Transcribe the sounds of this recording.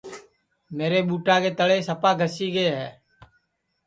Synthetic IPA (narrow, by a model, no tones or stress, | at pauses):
meːɾeːɓuːʈaːkeːt̪əɽeːsəpaːɡʱəsiːɡəeɦɛː